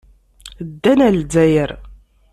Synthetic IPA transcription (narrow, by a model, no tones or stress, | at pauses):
d̪ːænæld͡zæjəɾ